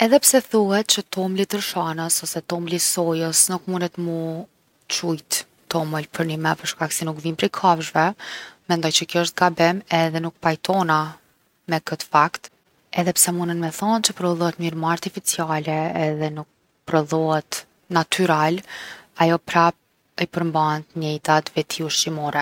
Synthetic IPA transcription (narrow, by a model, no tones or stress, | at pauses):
ɛðɛpsɛθuhɛt̪̚t͡ʃət̪ɔmlit̪əɾʃanəsɔsɛt̪ɔmlisɔjəsnukmunət̪mu | t͡ʃujt̪ | t̪ːɔməlpʰəɾnimɛpəɾʃkaksinukvinpɾikʰavʒvɛmɛnd̪ɔjt͡ɕəkjɔəʃt̪̚ɡabɛmɛðɛnuk̚pajt̪ʰɔna | mɛkət̪ə̥fakt̪ | ɛðɛpsɛmunənmɛθɔnt͡ʃəpɾɔðˠɔɛt̪miɾmaaɾt̪ifit͡sialɛːðɛnuk̚ | pɾɔðɔɛt̪ | nat̪ʰyɾalajɔpɾa | əpəɾmbant̪ɲɛjt̪at̪vɛt̪ʰiuʃtimɔɾɛ